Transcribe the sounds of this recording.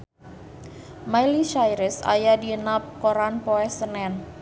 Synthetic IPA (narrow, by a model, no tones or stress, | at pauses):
majliʃajɾɪsa̰jadiənap̚koɾanpoɛsənɛn